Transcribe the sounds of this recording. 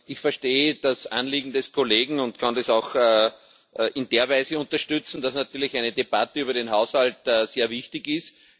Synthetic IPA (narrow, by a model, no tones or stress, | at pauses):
ʔɪçfɛɐʃteːəd̥asʔanliːɡŋ̩dɛskʰoleːɡŋ̩ʊntkʰãndesɑʊxː | ʔʔɪndeːɐvæɪzəʊ̃ntɐʃtʏt͡sn̩d̥asnatyːɐlɪçæɪnədeb̥atəyːbɐɾenɦaʊshaltəːseːɐvɪçtɪçɪst